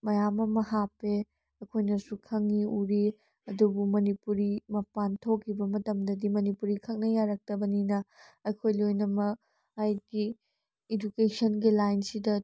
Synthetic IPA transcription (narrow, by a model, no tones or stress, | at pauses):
mɐjamɐmɐɦapːe | ɐkʰojnɐsukʰɐŋiuɾi | ɐdubumɐnipuɾimɐpantʰokʰːibɐmɐtɐmdɐdimɐnipuɾikʰɐk̚nɐjaɾɐk̚tɐbɐninɐɐkʰojlojnɐmɐ | hajɡiː | d͡ʒukesɐnɡilajnsidɐ